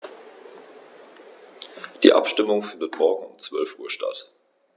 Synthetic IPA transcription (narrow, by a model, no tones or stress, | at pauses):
d̥ḭːʔa̰pʃtɪmʊŋfɪndətmɔɐɡŋ̩ʊmt͡sv̥œlfʔuːɐʃta̰t